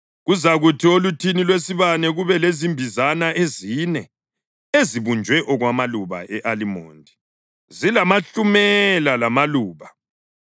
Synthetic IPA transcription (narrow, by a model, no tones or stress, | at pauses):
ɣuzaɣutʰiolutʰinilwesiβanɛɣuβɛlezimbʱizanaʔezinɛ | eziβund͡ʒʱwɛʔɔɣwamaluβa̰ʔɛʔalimo̰ːndʱi | zilamaɬumɛlalamaluːβa